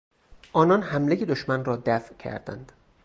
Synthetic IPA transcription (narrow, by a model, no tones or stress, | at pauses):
ʔɒːnɒːnhæmlejed̪oʃmænrɒːd̪æfcʰæ̰ɾd̪æ̰nd̪̥